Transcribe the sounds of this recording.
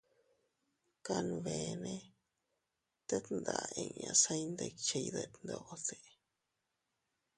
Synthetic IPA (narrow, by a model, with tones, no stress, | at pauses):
ka˦˧nũ˧βe˨˧nẽ˦ | t̪e˦t̪nd̪a˨˧ẽ˧˨ɲã̰˧sa˦i˦nd̪e˧t͡ʃe˧i˧ðe˧nd̪o˧ʔo˧se˧